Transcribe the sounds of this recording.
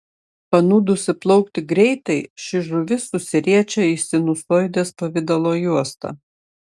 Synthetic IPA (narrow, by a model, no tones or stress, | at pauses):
pɐnuːd̪ʊsʲɪplˠɐʊkt̪ʲɪɡɾʲɛɪt̪ɐɪʃʲɪʒʊʋʲɪsʊsʲɪɾʲiɛt͡ʃʲɛɪsʲɪnʊsoːɪd̪ʲeːspɐʋʲɪd̪ɐlˠoːjuɔst̪ɐ̰ː